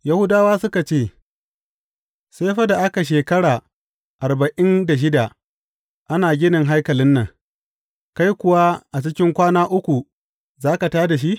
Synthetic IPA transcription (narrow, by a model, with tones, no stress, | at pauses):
ja˦hʊ˦daː˦waː˦sʊ˦ka˨t͡ʃeː˦˨ | seː˦ɸɐ˦da˨ʔa˦ka˨ʃ̬eː˨kɐ˦ɽaː˨ | ʔa˨rba˨ʔɪ˦nda˨ʃ̬ɪ˦da˨ | ʔa˦naː˨ɡʲɪ˦nɪ˨ŋɦa˦jkɐ˨lɪ˦nːɐ˨ŋ | ka˦jkʷʊ˨wa˦ʔa˨t͡ʃɪ˦kʲɪ˦ŋkʷaː˦naː˦ʔʊ˦kʷu˨ | zaː˦ka˨taː˦da˨ʃ̬i˦ʔ